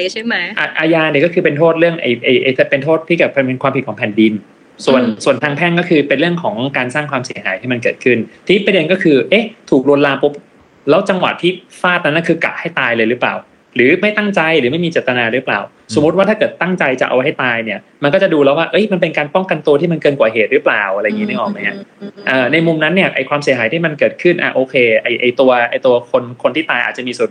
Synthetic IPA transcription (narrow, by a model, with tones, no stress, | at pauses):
t͡ɕa˥˩ma˦˥ʔa˧˩ʔaː˧jaː˧ni˧˩kɔː˥˩kʰɯː˧pe˧nt̪ʰoː˥˩t̪̚ɾɯ˥˩əŋʔa̰˧jʔa˧˩jʔa˧jt̪ʰe˦˥pe˧nt̪ʰoː˥˩t̪ʰːiː˥˩kaː˨˩pʰɛ˧pe˧nkwaː˧pʰi˨˩kʰɔ˩˦pʰɛ˨˩ndi˧n | su˨˩ənsu˨˩ənt̪ʰaː˧ŋpʰɛː˥˩nkɔː˥˩kʰɯː˧pe˧nɾɯ˥˩əŋkʰɔː˩˦ŋkaː˧nsaː˥˩ŋkʰwaː˧msi˨˩˦ɦaː˩˦j̪t̪ʰiː˥˩ma˧nkɤ̰ː˨˩t̪̚kʰɯ˥˩nt̪ʰiː˦˥pa˧dnkɔː˥˩kʰɯː˧ʔe˦˥t̪ʰuː˨˩k̚lu˧ənlaː˧pʰo˦˥p̚ | lɛː˦˥wt͡ɕa˧ŋwa̰˨˩t̪ʰːiː˥˩faː˥˩t̪̚na˦˥nːa˥˩kʰɯː˧ka̰˨˩ʔha˥˩jt̪aː˧jlɤː˧jɾɯː˦˥pla̰ː˨˩w | ɾɯː˩˦ma˥˩jt̪a˥˩ŋt͡ɕa˧jɾɯː˩˦ma˥˩jmiː˧t͡ɕeː˨˩t̪ːa˧naː˧ɾɯ˦˥pla̰ː˨˩w | so˨˩˦mː˦t̪̚waː˥˩aː˥˩kɤː˨˩t̪ːa˥˩ŋt͡ɕa˧jt͡ɕa̰˨˩ʔa̰˧wha˥˩jt̪aː˧jni˥˩ɐ | ma˧nkɔ˥˩t͡ɕa˨˩duː˧lɛː˦˥waː˥˩ʔɤ˦˥jma˧np̬e˧nkaː˧npɔ˥˩ŋka˧nt̪u˧t̪ʰiː˥˩ma˧nkɤː˧nkwaː˨˩ɦeː˨˩t̪̚ɾɯː˦˥plaː˨˩wʔɾjːŋi˦˥ɯ˥˩ʔɔː˨˩k̚ma˦˥jɦa˦˥ʔəː˨˩na˧jmu˧mna˦˥nːi˥˩ɐʔa̰˧jkʰwaː˧msi˩˦ɦaː˨˩˦t̪ʰiː˥˩ma˧nkɤː˨˩t̪̚kʰɯ˥˩nʔa̰˨˩ʔoː˧kʰeː˧ʔa˧jʔa˧jt̪u˧ɐʔa˧jt̪u˧ɐkʰo˧nkʰo˧nt̪ʰiː˥˩t̪aː˧jʔa̰ː˨˩t̪t͡ɕa˨˩miː˧su˨˩